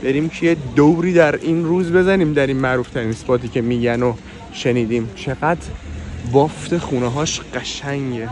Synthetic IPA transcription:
b̥eɾiːmcʰejed̪owɾiːd̪æɾinɾuːzbe̞zæniːmd̪æɾiːnmæʔɾuːft̪ʰæɾiːnspɒːt̪ʰiːcʰe̞miːɟæno | ʃeniːd̪iːmt͡ʃʰeɣæd̪bɒːft̪e̞χuːneɦɒːʃɢ̥æʃæŋɟe

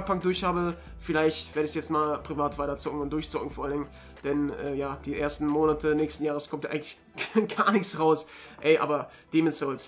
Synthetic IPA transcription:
pʰak̚d̥ʊɐçhaːbə | fɪlaɪçtv̥eːɐdəsjɛt͡stmaːlpʁ̥ivaːtv̥aɪtɐt͡sʊk̚ŋ̩ʊnt̚d̥ʊɐçt͡sʊkŋ̩fɔːɐalɪŋ | d̥ɛnʔɛ̰ːjaːd̥iːʔḛːɐstn̩moːnatʰənɛːçstn̩jaːʁ̞əskʰɔmtʔa̰ɪɡŋ̩tlɪç | ɡ̥aɐnɪçt͡sʁaʊs | ʔɛɪʔa̰ːbɐd̥eːmɪsz̥ɔls

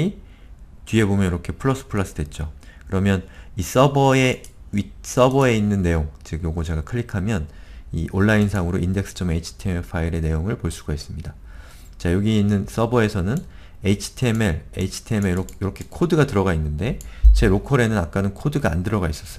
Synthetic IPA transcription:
i | t͡ɕɥie̞bomjʌnjiɾʌkʰe̞pʰɯɭːʌs͈ɯ̥pʰɯɭːas͈ɯdwe̞t̚t͡ɕ͈okɯɾʌmjʌnis͈ʌbʌe̞is͈ʌbʌe̞inːɯnːe̞joŋt͡ɕeɡjoɡod͡ʑeɡakʰɯɭːikʰamjʌnḭʔoɭːainsʰaŋɯɾoinde̞k̚s͈ʰɯ̥t͡ɕ͈ʰʌme̞it͡ɕʰi̥tʰemeɭpʰaiɾe̞ne̞joŋɯɭpoɭs͈uɡaes͈ɯmɲida | t͡ɕajoɡiinːɯns͈ʌbʌe̞sʰʌnɯn | eit͡ɕʰi̥tʰːmeɾḛit͡ɕʰi̥tʰemeɾojʌɾʌkʰe̞kʰodɯɡatɯɾʌɡainːɯnde̞t͡ɕe̞ɾokʰʌɾe̞nɯnak̚k͈anɯnkʰodɯɡaa̰ndɯɾʌɡais͈ʌs͈ʌ

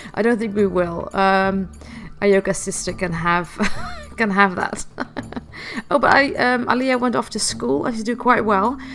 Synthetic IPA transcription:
aɪɾõʊ̃nθɪ̃ŋkwiwɪlˠʌ̃m | ʔajoʊɡəsɪstəkɨ̃nəv̥kɨ̃nəvðə̰t | oʊbʌɾa̰ɪʔʌ̃mə̰liəwɛ̃ntɒftʰəskulˠa̰ɪd͡ʒʌsd̥ɨkʰw̥aɪʔ̚wɛlˠ

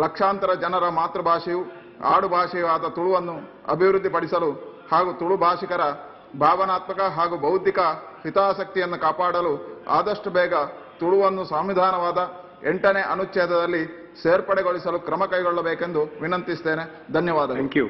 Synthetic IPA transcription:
lɐkʂaːnt̪ɐɾɐd͡ʒɐnɐɾɐmaːt̪ɾɐbʱaːʂiju | a̰ːɽubʱaːʂɛjɐʋaːd̪ɐt̪uɭuʋɐnːu | ɐ̰bʱiʋɾud̪ːipɐɽisɐluhaːɡut̪uɭubʱaːʂikɐɾɐ | bʱaːʋɐnaːt̪mɐkɐɦaːɡubʱɐwt̪ikɐ | hit̪aːsɐk̚t̪ijɐnːukaːpaːɽɐlua̰ːd̪ɐʂʈubɛːɡɐ | t̪uɭuʋɐnːusɐmʋid̪ʱaːnɐʋaːd̪ɐ | ɛɳʈɐneːʔɐnut͡ʃːʃɛːd̪ɐd̪ɐlːi | seːɾpɐɽɛɡoɭisɐlukɾɐmɐkɐjɡɔɭːɐbeːkend̪uʋinɐnt̪ist̪eːne | d̪ʱɐnjɐʋaːd̪ɐku

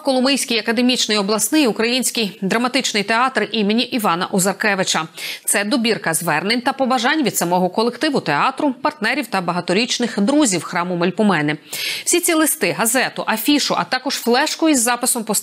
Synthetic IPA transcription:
kɔlˠʊmɪjsʲkʲijɐkɐd̪e̞mʲit͡ʃnɪjɔblˠɐsnɪjʊkɾɐjinʲsʲkʲijd̪ɾɐmɐt̪ɪt͡ʃnɪjt̪eɑt̪ɾʔimenʲiʔiʋɑnɐ̰ʔɔzɐrkɛʋɪt͡ʃɐt̪sɛd̪ɔbʲirkɐzʋɛrnenʲt̪ɐpɔbɐʒɑnʲʋʲid̪sɐmɔɦɔkɔlˠekt̪ɪʋʊt̪eɑt̪ɾʊpɐrt̪nɛɾʲiwt̪ɐbɐɦɐt̪ɔɾʲit͡ʃnɪxd̪ɾuzʲiwxɾɑmʊmɔlʲpʊmɛnɪw̥sʲit͡sʲilˠɪst̪ɪɦɐzɛt̪ʊʔɐfʲiʃʊʔɐ̰t̪ɑkɔʒ̥flˠɛʃkɔjizːɑpɪsɔmpɔs

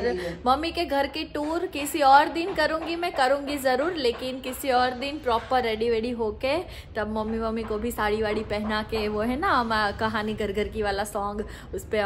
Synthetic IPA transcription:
ɾmɐmːikeɡʱɐɾkeʈuːɾkɪsiɔːɾd̪inkɐɾũːŋɡimɛ̃kɐɾũːŋɡizɐɾuːɾleːkɪnkɪsiɔːɾd̪inpɾɔːpəɾːeːɖiʋeːɽiɦoːke | t̪ɐbmɐmːimɐmːikobʱisaːɽiʋaːɽipɛɦnakeʋoɦɛːnamkɐɦaːniɡɐɾɡəɾkiʋaːlasɔ̃ːŋɡ | ʊspe

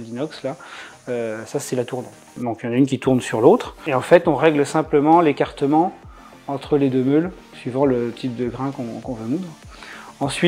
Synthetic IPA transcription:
ld̪inɔksla | øsasɛlat̪uʁnɑ̃ | d̪ɔ̃kljɑ̃naynkʲit̪uʁnsyʁlot̪χeɑ̃fɛt̪ɔ̃ʁɛɡləsɛ̃pləmɑ̃lekaʁt̪əmɑ̃ | ɑ̃t̪χəled̪ømøl | sɥivɑ̃lət̪ʰip̚d̪əɡʁɛ̃kɔ̃kɔ̃vømud̪ʁɑ̃sɥi

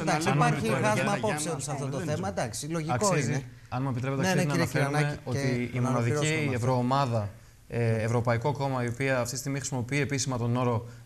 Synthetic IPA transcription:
ɐsɐnmɾepiiɾeɐzmɐpossosɐft̪ot̪oθemɐd̪ɐksiloʝiɐksosiz | ɐnmuep̬it̪ɾe̞pt̪ɐkiznɐfeɾuneo̞t̪iːmo̞nɐðicievɾoːmɐðɐ | eevɾo̞pɐiko̞ko̞mɐio̞piɐft̪isist̪iɣmixɾisimo̞piie̞pisimɐt̪o̞no̞ɾo̞

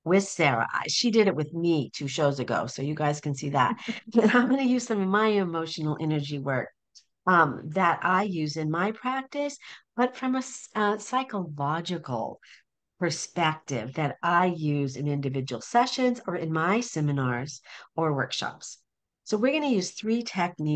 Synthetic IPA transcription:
wɪð̥sɛɹə̰a̰ɪ̥ʃidɨɾɨt̚wɨðmitʰʉʃoʊzɨɡo̰ʊsoʊjɨɡaɪz̥kɨ̃nsiðə̰t̚ɨ̃ɾãɪ̃mɡʌnɨjʉz̥sʌ̃mʌvmaɪɨmoʊʃn̩l̩ˠʔɛnə˞d͡ʒiwɜ˞k̚ | ʌ̃mðɨɾʔaɪjʉzɨ̃nmaɪpʰɹ̥æk̚tɨsb̥ʌtfɹʌ̃məsʌsaɪkəlɑd͡ʒɨkl̩ˠ | pʰə˞spɛk̚tɪ̰vðɨɾaɪjʉzɨ̃nɪ̃ndɨvɪd͡ʒɨwl̩ˠsɛʃɨ̃nzə˞ɨ̃nmaɪsɛmɨnɑɹz̥ə˞wɜ̰˞kʃɑ̰ps | soʊwɪɹɡʌnɨjʉz̥θɹitʰɛk̚ni

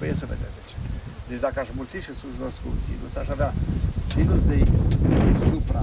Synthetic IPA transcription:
bujesəved̪ed̪et͡ʃed̪et͡ʃd̪akəaʃmult̪sit̪ʃisuʒunoskusḭnṵsaʃaveasinusd̪eikssupɾa

